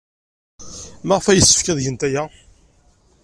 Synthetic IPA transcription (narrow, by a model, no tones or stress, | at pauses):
maʁəfæjəsːə̥fkæðʝənt̪æjæ